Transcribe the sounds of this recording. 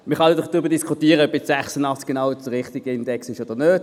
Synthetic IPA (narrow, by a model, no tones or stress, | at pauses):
məχɑndɔχd̥ʁʏbədiskʰutiːəʁəœbjɛt͡sz̥æχsənɑχt͡sɡ̥enaʊʁɪχtiɡ̥əɪndɛksɪʃod̥əʁnøːt